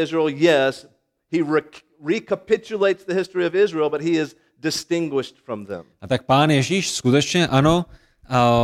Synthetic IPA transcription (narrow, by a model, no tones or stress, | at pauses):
ɪzɹilˠjɛs | hi | ɹikʰəpɪt͡ʃɨleɪtsðɨhɪstɹ̥iʌvɪzɹilˠbʌt̚hiɪz | dɨstɪ̃ŋɡwɪʃtfɹʌ̃mðɛ̰̃mʔat̪ak̚paːnjɛʒiːʃskut̪ɛt͡ʃɲɛʔano | a